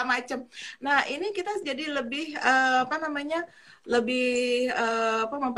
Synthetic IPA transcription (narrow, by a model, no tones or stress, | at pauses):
mat͡ʃəmnahinikit̪ad͡ʒadiləbɪhəapanamaɲa | ləbɪhəːapaməmp